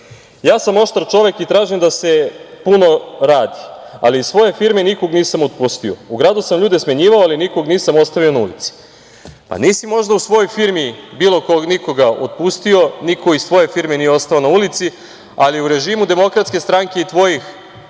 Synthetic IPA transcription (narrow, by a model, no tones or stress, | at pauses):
jaːsamo̞ʃt̪aɾt͡ʃo̞ʋe̞kit̪ɾaːʒimd̪ase̞puno̞ɾaːd̪ia̰liissʋo̞je̞fiɾmeniko̞ɡniːsamot̪̚pust̪io̞̰uɡɾaːd̪usamʎuːd̪esmeɲiːʋaoaliniko̞ɡniːsamo̞st̪aʋio̞naṵlḭt̪si̥ | pa̰niːsimo̞ʒd̪ausʋo̞jo̞jfiɾmibiːlˠokoniko̞ɡaot̪̚pust̪io̞nikʰo̞izsʋo̞jefiɾmenijeo̞st̪aonaulit̪si | aliuɾe̞ʒimud̪e̞mo̞kɾat̪ske̞st̪ɾaŋke̞it̪ʋo̞jix